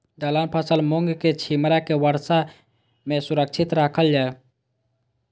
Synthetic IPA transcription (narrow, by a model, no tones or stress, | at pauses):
d̪alaːnpʰəsəlmoŋɡket͡ʃʰimɾakeʋəɾsa | mẽsʊɾək̚t͡ʃʰɪt̪ɾaːkʰəld͡ʒaːe